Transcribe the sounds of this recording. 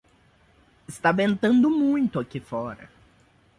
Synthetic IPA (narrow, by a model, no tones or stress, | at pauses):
ɪst̪abẽnt̪ɐ̃nd̪ʊmũj̃t̪ʊakifɔɾɐ̰